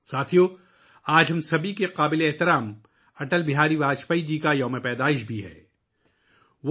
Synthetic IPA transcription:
saːt̪ʰijoː | aːd͡ʒɦɐmsɐbʱikeqaːbɪleeɦt̪ɪɾaːm | ɐʈəlbɪɦaːɾiʋaːt͡ʃpaid͡ʒiːkajɐːmepɛːd̪aːɪʃ̬bʱiɦɛ̰ː | ʋ

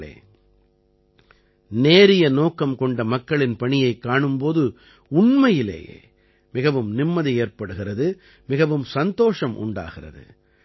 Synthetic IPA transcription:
ḛː | neːɾɪjɐnoːkɐmkɔɳɖɐmɐkːɐɭɪnpɐɳɪjɐɪkːaːɳɯmpoːðɯ | ʊɳmɐjɪlḛːjḛː | mɪɣɐʋɯmnɪmːɐðieːrpɐɽɯɣɪrɐðɯ | mɪɣɐʋɯmsɐnd̪oːʂɐmʔʊ̰ɳɖa̰ːɣɪrɐ̰ðɯ̰

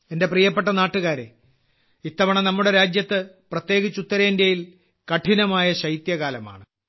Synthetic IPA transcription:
e̞nde̞priːjɐp̬ːe̞ʈːɐnaːʈːuɣaːɾḛ | it̪ːɐʋɐɳɐnɐmːuɽe̞ɾaːd͡ʑjɐt̪ːɨprɐt̪je̞ːɣit͡ɕːut̪ːɐɾɐindɐjil | kɐʈʰinɐmaːjɐɕɐjt̪jɐɣaːlɐma̰ːɳɨ

